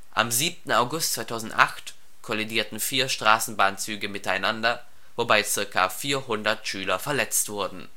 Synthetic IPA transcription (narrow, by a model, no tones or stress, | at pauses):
ʔa̰mziːp̚tn̩aʊɡʊstt͡svaɪtʰaʊzn̩tʔa̰χt | kʰɔlidiːɐtn̩fiːɐʃtʁ̥aːsn̩baːnt͡syːɡəmɪtaɪnandɐ | vobaɪt͡sɪɐka̰fiːɐɦʊndɐtʃyːlɐfɛɐlɛt͡stv̥ʊɐdn̩